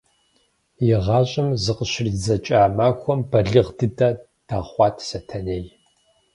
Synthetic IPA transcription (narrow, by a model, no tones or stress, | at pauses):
jɪʁɑːɕʼɪmzɨqəɕɪrid͡zɐt͡ʃʼaːmaːkʷʰɔmbɐɮɨʁdɨdɐ | d̥aχʷɑːtʰsɐtʰɐneːj